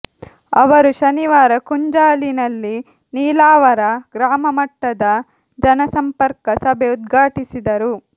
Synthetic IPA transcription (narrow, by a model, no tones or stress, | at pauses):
ɐʋɐɾuʃɐniʋaːɾɐkuɲd͡ʒaːlinɐlːi | niːlaːʋɐɾɐɡɾaːmɐmɐʈːɐd̪ɐ | d͡ʒɐnɐsɐmpɐɾkɐsɐbʱeud̪̚ɡʱaːʈisid̪ɐɾu